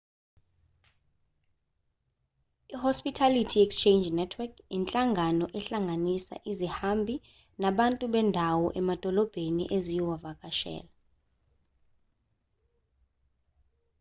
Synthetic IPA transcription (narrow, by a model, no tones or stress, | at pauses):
ihɔspʼitʰalitʰiɛkst͡ʃʰend͡ʒnɛtʰwɛkʰɛnt͡ɬʼaŋɡʱanɔʔɛɬaŋɡʱanisa̰ʔizihambʱi | naɓantʼuɓɛndʱawɔʔɛmad̥ʱɔlɔb̥ʱenḭʔezijɔwavak̬ʼaʃɛ̰ːla